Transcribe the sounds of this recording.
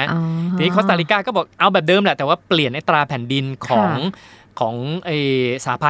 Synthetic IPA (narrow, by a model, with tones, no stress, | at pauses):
iː˨niː˦˥kʰːst̪aː˧liː˦˧kaː˥˩kɔː˥˩bɔː˨˩k̚ʔa˧wbɛː˨˩p̚dɤː˧mlɛ˨˩ʔt̪ɛː˨˩waː˥˩pli˨˩ənʔa˦˥t̪ɾaː˧pʰɛː˨˩ndi˧nkʰɔɔː˩˦ŋ | kʰɔː˩˦ŋʔeː˧˩saː˨˩˦pʰa˧